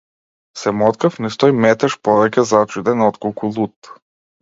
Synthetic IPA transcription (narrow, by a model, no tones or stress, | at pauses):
sɛmɔt̪kafnist̪ɔjmɛt̪ɛʃpɔvɛkʲɛzat͡ʃud̪ɛnɔt̪kɔlˠkʰulˠut̪